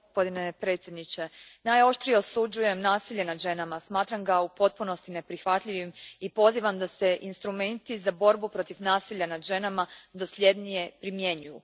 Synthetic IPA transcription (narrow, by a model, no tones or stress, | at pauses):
ospo̞d̪inepɾe̞t̪sjed̪nit͡ɕe̞najo̞ʃt̪ɾijeosud͡ʒuje̞mnaːsiʎe̞nad̪ʒe̞namasmaːt̪ɾamɡaupo̞t̪̚puno̞st̪ine̞pɾixʋat̪ʎʲiʋimipo̞ziʋamd̪ase̞ʔinst̪ɾume̞nt̪izabo̞ɾbupɾo̞t̪ifnaːsiʎːanad̪ʒe̞namad̪o̞sʎʲe̞d̪nije̞pɾimje̞ɲuju